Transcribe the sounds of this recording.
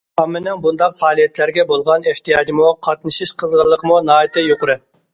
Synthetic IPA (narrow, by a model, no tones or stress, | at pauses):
ɑmːɪnɪŋbund̪ɑqfɑːlˠijɛt̪ʰlæɾɡʲɛbolˠʁɑneht̪ijɑːd͡ʒimuqʰɑt̪nɨʃiʃqʰəzʁəɾlˠːəqəmunɑːit̪ɨjoqʊɾɪ